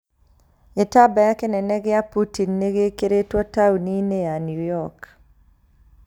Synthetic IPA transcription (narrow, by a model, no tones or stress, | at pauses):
ɪtabɛakenɛnɛɡeaputinːeɡekeɾetwɔtaunineanjujɔk